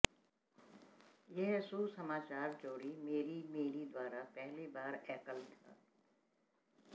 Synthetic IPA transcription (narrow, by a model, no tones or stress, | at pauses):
jɛɦsuːsɐmaːt͡ʃaːɾt͡ʃoːɾimeːɾimeːɾid̪waːɾapɛɦlibaːɾɛːkəlt̪ʰa̰ː